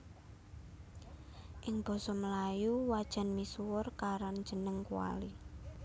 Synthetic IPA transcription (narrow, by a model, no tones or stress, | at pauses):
ʔɪŋb̥ɔ̤sɔməlajuwad̥ʒ̥a̤nmisuwʊrkaɾan̥d͡ʒ̥ənəŋkuwa̰li